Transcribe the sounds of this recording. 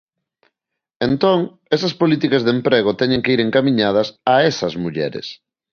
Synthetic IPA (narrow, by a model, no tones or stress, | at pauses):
ent̪oŋ | esɐspolit̪ikɐzðempɾeɣ̞ot̪ɛɲẽŋkeiɾeŋkamiɲað̞ɐsaesɐzmuʎɛ̰ɾɪ̰s